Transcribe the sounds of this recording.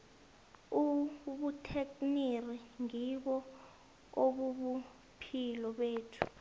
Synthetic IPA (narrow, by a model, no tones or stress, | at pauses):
uɓutʰekniriŋiɓɔ | oɓuɓu | pʰilɔɓeːtʰu̥